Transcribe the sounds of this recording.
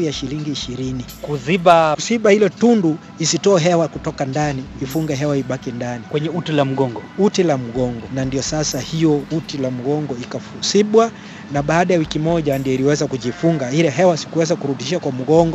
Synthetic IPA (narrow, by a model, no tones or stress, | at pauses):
jaʃiliŋɡiːʃiɾinikuziɓausiɓahilɔtundu | isitɔːɦɛwakutɔkandaniːfuŋɡɛɦɛwaiɓakindanikwɛɲɛutilam̩ɡɔŋɡɔutilam̩ɠɔŋɡɔnandiɔsasahijɔutilam̩ɡɔŋɡɔikafusiɓwa | naɓaːɗajawikimɔʄandijɔiliwɛzakuʄifuŋɡailɛɦɛwasi̥kuwɛzakuɾuɗiʃakwam̩ɠɔŋɡɔ